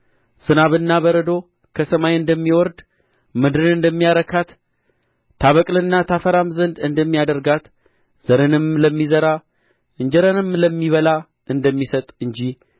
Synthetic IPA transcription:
z̥ɨnaβɨnːaβbəɾəd̪o̞ | kʰəsəmajɨnd̪əmːiwɔɾd̪ | mɨd̪ɾɨnɨnd̪əmːijaɾəkʰat̪ʰː | aβəkʼlɨnːat̪ʰafəɾamzənd̪ɨnd̪əmːijad̪əɾɡat̪ | z̥əɾɨnɨmləmːizəɾa | ʔɨɲd͡ʒəɾənɨmləmːiβəla | ʔɨnd̪əmːisət̪ʼɨɲd͡ʒi

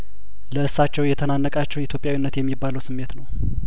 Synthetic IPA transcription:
ləʔɨsːat͡ʃːɛwjɛt̪ʰənanːəkʼat͡ʃːɛwɪt̪ʰjopʼjawinːət̪jɛmːibːaləwsɨmːe̞t̪nəw

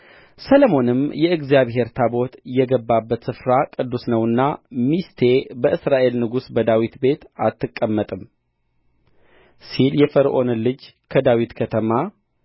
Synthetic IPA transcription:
sələmo̞nɨmjɛɨɡzijaβɦe̞ɾt̪ʰabo̞t̪jɛɡəbːabːət̪sɨfɾakʼɨd̪ːusnəwɨnːamist̪ʰe̞bəʔɨsɾaʔe̞lnɨɡusbəd̪awit̪be̞t̪at̪ːɨkʼːəmːət̪ʼɨm | siljɛfəɾʔo̞nlɨd͡ʒ | kʰəd̪awit̪kʰət̪ʰəma

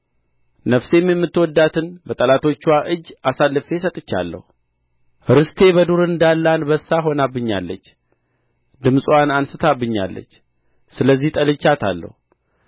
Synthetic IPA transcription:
nəfse̞mjɛmːɨt̪ːwɔd̪ːat̪ʰɨnbət̪ʼəlat̪ʰo̞t͡ʃːaʔɨd͡ʒːasalːɨfe̞sət̪ʼɨt͡ʃːa̰lːə̰hu | ɾɨst̪ʰe̞bəd̪uɾɨnd̪alːanbəsːaɦo̞nabːɨɲːa̰lːə̰t͡ʃː | d̪ɨmsʼwanansɨt̪ʰabːɨɲːa̰lːə̰t͡ʃː | sɨləzːiht̪ʼəlɨt͡ʃːat̪ʰa̰lːə̰hu

